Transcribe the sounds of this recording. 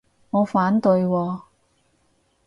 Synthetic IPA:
ŋɔː˨˧faː˨˥nt̪ɵ˧ɥwɔː˧

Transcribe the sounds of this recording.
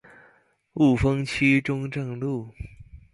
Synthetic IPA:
u˥˩fɤ˥ŋt͡ɕʰy˥ʈ͡ʂʊ˥ŋʈ͡ʂɤ˥˧ŋlu˥˩

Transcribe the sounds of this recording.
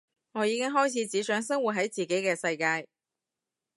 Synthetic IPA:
ŋɔː˨˧jiː˨˧kɪ˥ŋɦɔː˥jt͡sʰiː˨˧˥t͡siː˨˥sœː˨˥ŋsɐ˥ŋwu˨t̚ɦɐ˨˥jt͡siː˨ke˨˥jkɛː˧sɐ˧jkaː˧j

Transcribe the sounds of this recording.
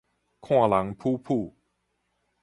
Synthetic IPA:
kʰɔ˥˩˧la˨˦ŋpʰuː˥˧˩pʰuː˥˩

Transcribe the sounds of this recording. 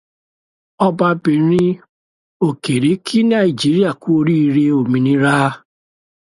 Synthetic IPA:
ɔ˦ba˦bi˨ɾi˦ | o˨ke˨ɾi˨˦kʰi˦na˨i˨d͡ʒi˦ɾi˦a˨ku˦o˦ɾi˦ɾe˦o˨mi˨ni˦ɾaː˦

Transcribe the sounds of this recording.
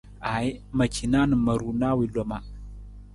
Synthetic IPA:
a˨jma˨t͡ʃi˨na˦nə˨ma˨ɾu˨na˦wi˨lo˨ma˨

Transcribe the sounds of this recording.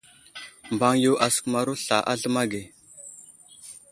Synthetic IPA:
mba˨ŋju˨ʔa˨sə̥˨kma˨ɾu˦ɬa˨ʔa˦ɮə˦ma˦ɡe˨

